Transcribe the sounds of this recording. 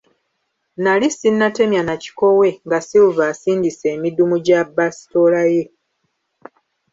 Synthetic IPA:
nalisinːate̞mjanaci̥ko̞we̞ŋɡasiuvaːsiːndise̞ːmidumuɟabasi̥to̞laje̞

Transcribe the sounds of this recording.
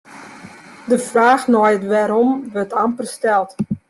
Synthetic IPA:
dəfraːxnɔjətʋɛɾɔmʋətʰampərstɛlˠt

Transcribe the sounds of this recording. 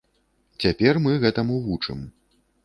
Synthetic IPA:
t͡sʲapʲɛrmɨɣɛt̪ɐmuvut͡ʂɨ̰m

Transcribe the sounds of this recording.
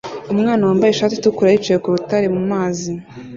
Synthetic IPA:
umŋaːnawaːmbajeʃaːtitukuɾait͡ʃejekuβutaɾemumaːzi

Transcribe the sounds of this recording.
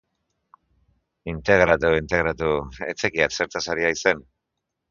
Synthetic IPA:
int̪e̞ɣ̞ɾat̪uint̪e̞ɣ̞ɾat̪ue̞t͡se̞kiase̞ɾt̪asaɾiaise̞n

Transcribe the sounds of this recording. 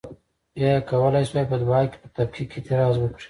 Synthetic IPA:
jajkawəlajswajpəd̪uɑke̥pət̪abkʰiket̪ɪɾɑzwəkɽi̥

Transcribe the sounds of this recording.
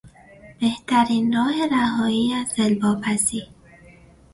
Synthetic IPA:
b̥eht̪ʰæɾiːnrɒːhe̞ɾæhɒːiːæzelbɒːpʰæsiː

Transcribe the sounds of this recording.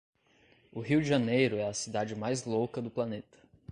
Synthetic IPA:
ʊɦiwd͡ʒiʒɐnejɾʊɛɐsid̪ad͡ʒɪmajzlowkɐd̪ʊplɐnet̪ɐ̥

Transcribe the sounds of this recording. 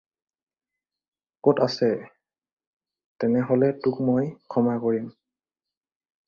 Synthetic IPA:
kɔtasɛ | tɛnɛɦɔlɛtʊkmojkʰɔmakoɹim

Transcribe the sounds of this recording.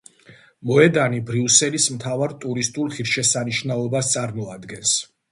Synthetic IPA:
mɔɛd̪anibɾiusɛlismt̪ʰavaɾt̪ʼuɾist̪ʼulˠχiɾʃɛsaniʃnalɔbast̪sʼaɾmɔad̪ɡɛns

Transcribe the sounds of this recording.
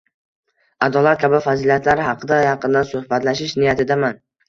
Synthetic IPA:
ad̪ɒlˠat̪̚kʲʰabɪfazilijat̪ʰlaɾhɑqʰɨd̪ajɑqɨnd̪ansɵhbat̪laʃɪʃnɪjat̪ʰɪd̪aman

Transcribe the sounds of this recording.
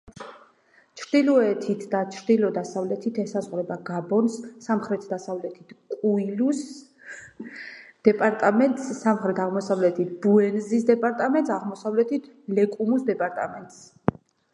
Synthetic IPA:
t͡ʃʰɾd̪ilɔɛt̪ʰit̪ʰd̪at͡ʃʰɾd̪ilɔd̪asavlɛt̪ʰit̪ʰɛsazʁɾɛbaɡabɔnsːamχɾɛt̪ʰd̪asavlɛt̪ʰit̪ʰkʼuilus | d̪̥ɛpʼaɾt̪ʼamɛnt̪ʼsːamχɾɛt̪ʰaʁmɔsavlɛt̪ʰit̪̚ʰbuɛnzisd̪ɛpʼaɾt̪ʼamɛnt̪saʁmɔsavlɛt̪ʰit̪ʰ | lɛkʼumusd̪ɛpʼaɾt̪ʼamɛnt̪ʼs

